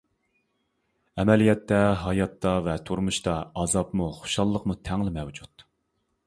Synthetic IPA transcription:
ɛmɛlijɛt̪ːɛɦɑjɑt̪ʰːɑvɛt̪ʰuɾmuʃt̪ɑɑzɑpmuχo̥ʃɑlˠːəqmut̪ʰɛŋlɪmɛwd͡ʒut̪

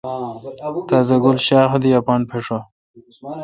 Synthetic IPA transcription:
t̪azɐɡulɕaːxd̪ijapanpʰeʂa

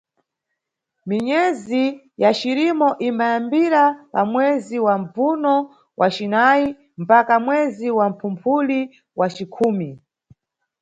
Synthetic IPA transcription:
miɲɛzi | jat͡ʃiɾimɔʔimbajambiɾapamwɛziwam̩b͡vunɔ | wʔat͡ʃinai | m̩pakamwɛziwam̩pʰumpʰuli | wat͡ʃikʰuːmi

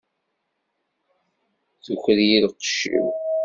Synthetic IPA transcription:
θuçɾjilqə̥ʃḭw

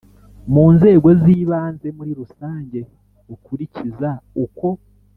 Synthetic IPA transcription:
muːnze̞ːɡo̞ziːβaːnze̞muɾiɾusaːɲɟe̞ | okuɾicizauko̞

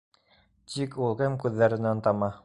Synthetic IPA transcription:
t̪ʰikulˠkɘmkʉðːæɾɘ̆nænt̪ɑmɑ

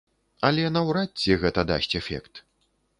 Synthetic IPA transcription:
ɐlʲɛnɐwɾatʲt͡sːʲɛɣɛt̪ɐd̪a̰sʲtʲɛfʲɛ̰kt̪

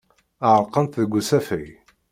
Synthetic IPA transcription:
əʕəɾˤqənt̪ðəɡʷːusæfæj

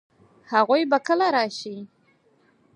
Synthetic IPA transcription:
haʁʷujbakəlaɾaːʃi

